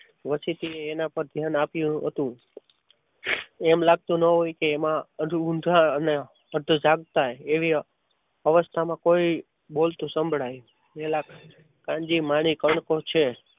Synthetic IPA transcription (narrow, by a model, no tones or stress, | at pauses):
ʋəsit̪ieːnapəɾd̪ʱjanapjũɦət̪ũ | ɛmlaɡ̚t̪ũnəɦojkeːmãəd͡ʒuũnd̪ʱaəne | əɾd̪ʱud͡ʒaɡ̚t̪aeeʋi | əʋəst̪ʰamãkoi | bolt̪ũsəmbʱɭaj | elak | kãɲd͡ʒimaɳ̃ikəɳkot͡ʃʰe